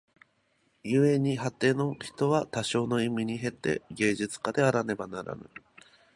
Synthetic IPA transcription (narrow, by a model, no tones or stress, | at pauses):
jɯːe̞ɲ̟iɦat̪ːe̞ːno̞çi̥t̪o̞βat̪aɕo̞ːno̞imʲiɲ̟iɦe̞t̪ːe̞̰ɡe̞ːʑit͡sɨ̥kad̪e̞aɾane̞banaɾa̰nɯ̰